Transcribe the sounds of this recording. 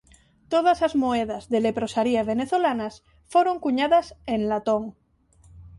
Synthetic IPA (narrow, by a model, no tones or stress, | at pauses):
t̪oð̞asazmoeð̞azðelepɾosaɾiaβ̞eneθolanas | foɾoŋkuɲaðasenlat̪oŋ